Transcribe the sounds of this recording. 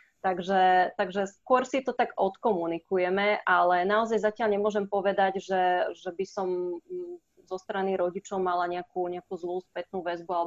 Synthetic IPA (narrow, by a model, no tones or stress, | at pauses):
t̪aɡʒɛt̪aɡʒɛskʊɔɾsit̪ɔt̪aɡɔt̪kɔmunikujɛmɛʔalɛnaɔzajzacɪaʎɲɛmʊɔʒɛmpɔʋɛd̪aɟʒɛʒɛbisɔm | zɔst̪ɾaniɾɔɟit͡ʃɔʊmalaɲɛakuːɲɛakuzluːspɛt̪̚nuːʋɛzbualɛ